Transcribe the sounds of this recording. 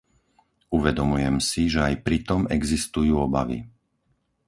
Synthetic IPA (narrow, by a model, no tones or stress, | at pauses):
uʋɛd̪ɔmujɛmsiʒɛajpɾit̪ɔmɛɡzist̪ujuːɔba̰ʋḭ